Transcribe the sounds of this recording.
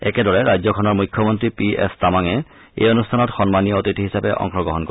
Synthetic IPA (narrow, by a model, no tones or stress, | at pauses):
ɛ̰kɛdɔɹɛɹajzɔkʰɔnɔɹmujkʰːjɔmɔntɹipiḛstamaŋɛ | ḛjonustʰanɔtxɔnmaniɔotitʰiɦisapɛʔɔ̰ŋxɔɡɹɔɦɔnko